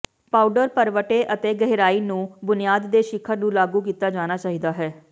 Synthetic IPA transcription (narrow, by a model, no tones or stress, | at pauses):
paːuɖəɾpəɾʋəʈeːʔət̪eːɡəɦɾaːiːnũːbʊnijaːd̪ːeːʃɪkʰːənũːlaːɡuːkiːt̪aːd͡ʒaːñaːt͡ʃaːɦiːd̪aːɦɛː